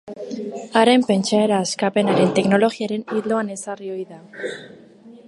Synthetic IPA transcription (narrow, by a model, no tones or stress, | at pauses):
aɾe̞mpe̞nt͡ʃae̞ɾaːskape̞naɾe̞nt̪e̞kno̞lo̞ɣiaɾe̞nild̪o̞ane̞sario̞jða